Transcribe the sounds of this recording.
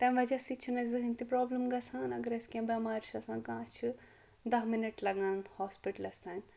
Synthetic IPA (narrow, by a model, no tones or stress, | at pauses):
t̪ɐ̃mʋɐd͡ʒɐsit͡ʃʰinɐzɨɦinʲt̪ipɾoːblɐmɡɐsʰãːnɐɡɐɾɐsʲkẽːbɐmaːɾt͡ʃʰɐsãːkãːt͡ʃʰi | d̪ɐɦminɐʈlɐɡãːnhɔːspiʈɐlɐst̪aːn